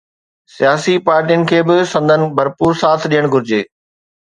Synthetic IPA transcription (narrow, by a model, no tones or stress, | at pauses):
sijaːsipaːɾʈijənɪ̆kʰeːbɪsɐ̃nd̪ʱənɪ̆bɐɾpuːɾsaːt̪ʰɗijəɽ̃ɡʱʊɾɪd͡ʑeː